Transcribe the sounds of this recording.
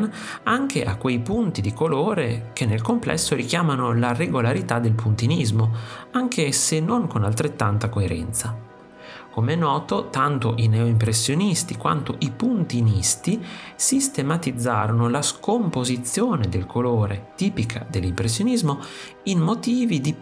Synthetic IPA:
n | aŋkʰeʔa̰kwejpunt̪id̪ikoloːɾekʰenːelkomplʔɛ̰sːoɾik̟jaːmanolareɡolaɾit̪ad̪elpunt̪inizmoaŋkʰesenːoŋkonalt̪ɾet̪ːant̪akoeɾɛ̰nt̪sa | komeɛnɔːt̪ot̪ant̪oʔineoimpɾesːjonist̪ikwa̰nt̪oʔipunt̪inist̪isist̪emat̪id̪zːa̰ːɾonolaskompozit̪sːjoːned̪elkʰoloːɾet̪iːpikʰa̰d̪elːimpɾesːjonizmo | inmot̪iːvid̪i

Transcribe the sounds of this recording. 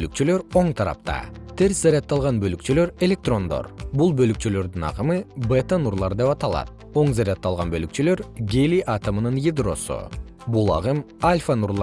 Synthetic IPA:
lyk̚t͡ʃylø̞ɾo̞ɴt̪ʰɑɾɑ̰p̚t̪ɑ̰t̪ʰe̞ɾszaɾʲɪat̪ːɑlˠʁɑnbølykt͡ʃylø̞ɾe̞lʲe̞k̚t̪ro̞nd̪o̞̰ɾbulˠbølyk̚t͡ʃylø̞ɾd̪ynɑ̰qɯmɯbet̪ənuɾlˠɑɾd̪e̞pɑt̪ɑlˠɑ̰t̪̚ | o̞ɴzaɾʲat̪ːɑlˠʁɑnbølykt͡ʃylø̞ɾɡʲeliʔɑt̪əmɯnɯnjid̪ro̞̰sṵ | bulˠɑ̰ʁɯmalʲfanuɾlˠ

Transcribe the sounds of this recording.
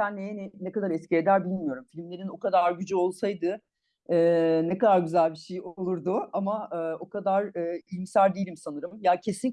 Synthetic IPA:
ænːejɛnɛkad̪aɾɛscɛɾed̪æɾbilʲmijo̞ɾumfilʲmlʲe̞ɾino̞kad̪aɾɟyd͡ʒyo̞lˠsajd̪ɯ | ɛːnɛkad̪aɾɟyzælʲbiʃejolˠuɾd̪ʊamaɯːo̞kʰad̪aɾɯːilʲmsæɾd̪eilʲimsanɯɾɯmjacʰe̞sin

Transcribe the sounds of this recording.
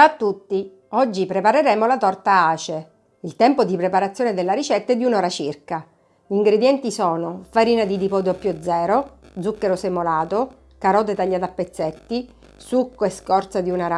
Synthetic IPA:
at̪ːut̪ːi | ɔd͡ʒːipɾepaɾeɾɛːmolat̪ɔrt̪aaːt͡ʃe | ilt̪ɛmpod̪ipɾepaɾat̪sːjoːned̪elːaɾit͡ʃɛt̪ːaɛd̪iunɔːɾat͡ʃirka | iŋɡɾed̪jɛnt̪isɔːnofaɾiːnad̪id̪ipɔd̪apːjod̪zɛːɾo | d̪zukːeɾosemolaːt̪o | kaɾɔːt̪̬et̪aʎːaːt̪apːet̪sːɛt̪ːi | sukːoeskɔrt̪sad̪iunaɾa

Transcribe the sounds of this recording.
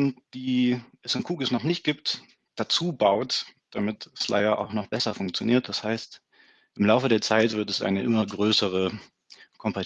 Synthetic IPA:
nd̥iːʔɛsɪnkʰuːɡəsnɔχnɪçt̚ɡ̥iːp̚t | d̥at͡suːbaʊtd̥amɪtsla̰ɪɐʔa̰ʊxnɔχb̥ɛsɐfʊŋk̚t͡sjoniːɐt̚d̥ashaɪst | ʔɪmlaʊfədeːɐt͡saɪtv̥ɪɐtɛsʔa̰ɪnəʔɪmɐɡʁøːsəʁ̞ə | kʰɔmpa

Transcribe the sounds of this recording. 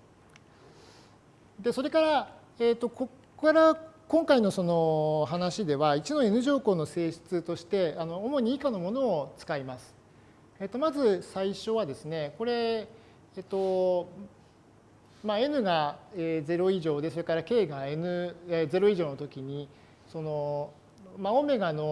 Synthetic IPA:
d̪e̞so̞ɾe̞kaɾa | eːt̪ːo̞ko | kaɾakõ̞ŋkaino̞so̞no̞ɦanaɕid̪e̞βait͡ɕino̞e̞nɯ̟ʑo̞ːko̞ːno̞se̞ːɕɨ̥t͡sɨt̪o̞ɕi̥t̪e̞ano̞ːmo̞ɲ̟iːkano̞mo̞no̞ːt͡sɨ̥kaimasɨ̥ | et̪o̞mazɨsaiɕo̞β̞ad̪e̞sɨne̞ko̞ɾe̞ː | t̪ːo̞ | mae̞nɯ̟ɡaeːd͡ze̞ɾo̞iʑo̞ːd̪e̞so̞ɾe̞kaɾake̞ːɡae̞nɯ̟eze̞ɾo̞iʑo̞ːno̞t̪o̞kʲiɲ̟i | so̞no̞ | maome̞ɡano̞

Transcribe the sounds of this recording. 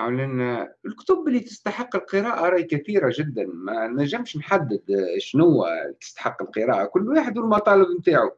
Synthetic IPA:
alɪnlkʊ̥t̪ʊbɪlːit̪əst̪aħəqːəlqɨɾɑːʔaɾˤɑjkæt̪iːɾaʒɪd̪ːanmænæʒːəmʃnħad̪ːəd̪ʃnʊwːæ̰t̪ə̥st̪ḁħəqːəlqəɾɑːʔakʊlːwaħəd̪wəlmɑt̪ˤɑːləbmt̪aːʕʊ

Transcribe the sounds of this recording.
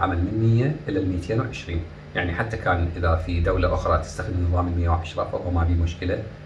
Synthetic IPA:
ʕa̰malmɪnmɪjːaʔɪlːalmiːt̪ʰeːnwʕɪʃɾiːn | jaʕniħat̪ːakʰaːnʔɪðafid̪awlaʔʊxɾˤɑt̪ɪ̥st̪axd̪nːɨðˤɑːmlmɪjːawʕaʃɾˤɑ̰fa̰wːmabiːmʊʃkɪla

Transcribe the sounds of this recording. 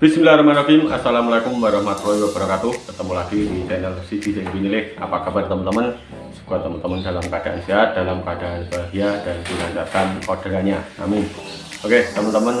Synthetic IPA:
b̥ismilaɾamaɾakima̰salamalakʊmːaɾahmat̪rojwabaɾakat̪uhbərt̪əmulaɡidit̪ɛnɛlsit̪isɪŋbinilɪk̚a̰pakabart̪əmənt̪əmən | sə̥kuat̪əmənt̪əməndalamkəadaʔanseɦat̪̚d̥alamkəadaʔanbaɦiadanpilaɲt͡ʃat̪anodɾaɲaa̰mɪn | ʔoket̪əmənt̪əmən

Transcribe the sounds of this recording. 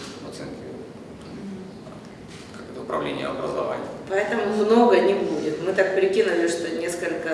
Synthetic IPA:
vɐt̪sɛnkʲɪ | kɐkot̪əʊpɾɐ̰vlʲḛnʲɪ̰jə̰ɐ̰bɾə̰zɐ̰va̰nʲɪjpɐɛt̪əmʊmno̞ɡənʲɪbudʲɪt̪mɨt̪ak̚pɾʲɪkʲinʊlʲɪʂt̪onʲe̞skəlʲkə

